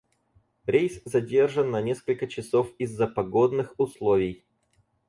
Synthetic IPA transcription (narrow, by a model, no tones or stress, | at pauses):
ɾʲejszɐdʲe̞rʐənːɐnʲeskəlʲkət͡ɕɪsofɪzːəpɐɡod̪nɨxʊslˠovʲɪj